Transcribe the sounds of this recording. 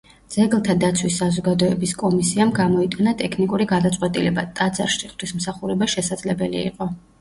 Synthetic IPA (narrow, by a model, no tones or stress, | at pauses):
d̪z̥ɛɡlˠt̪ʰad̪at̪sʰwisːazɔɡad̪ɔɛbiskʼɔmisiamɡamɔit̪ʼanat̪ʼɛkʰnikʼuɾiɡad̪at̪sʼqʼwɛt̪ʼilɛbat̪ʼad̪za̰ɾʃiχt̪ʰwismsaχuɾɛbaʃɛsad̪zlɛbɛlḭːqʼɔ